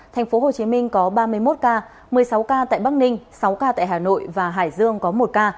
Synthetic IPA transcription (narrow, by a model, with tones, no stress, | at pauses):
t̪ʰɛ˨˩ŋ̟fo˨˦ɦo˨˩t͡ɕi˨˦mï˧ŋ̟kɔ˨˦ɓaː˧mɨ˧əjmo˦˥t̚kaː˧ | mɨ˨˩əjsa˨˦wkaː˧t̪a̰ː˧˨jɓa˦˥k̚nï˧ŋ̟sa˨˦wkaː˧t̪a̰ː˧˨jhaː˨˩no̰˧˨jvaː˨˩ɦa̰ː˧˩jzɨ˧əŋkɔ˨˦mo˨˩t̚kaː˧